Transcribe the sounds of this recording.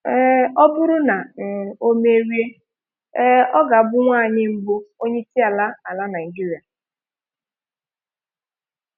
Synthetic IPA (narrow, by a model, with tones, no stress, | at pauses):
ɔ˦bʊ˦ɾʊ˦na˨n̩˨o˦me˦ɾi˦e˦ | ɔ˦ɡa˨bʊ˦ŋʷaː˦˨ɲɪ˦m̩˦bo˦o˦ɲe˦ti˦a˨la˦a˨la˦na˨i˨ɡi˦ɾi˨a˨